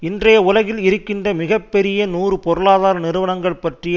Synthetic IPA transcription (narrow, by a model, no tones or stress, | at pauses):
ɪndrɐjɐʊlɐɣɪlɪɾɯkːɪndrɐmɪɣɐpːɛɾɪjɐnuːrɯpɔɾɯlaːðaːɾɐnɪɾɯʋɐnɐŋɡɐɭpɐʈrɪj